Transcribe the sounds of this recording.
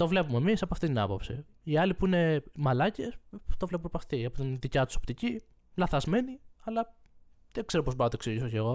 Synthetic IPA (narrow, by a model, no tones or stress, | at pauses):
t̪o̞vle̞pumemisɐpoɐft̪it̪inɐ̰po̞̰psḭ | iɐlipuine̞mɐlɐcest̪o̞vle̞p̬umepoɐft̪iɐpot̪inðicɐt̪u̥so̞pt̪ici | lɐθɐzme̞niɐlɐ | ðeɡ̥ze̞ɾopo̞zboɾɐt̪oksiʝisoceɣo̞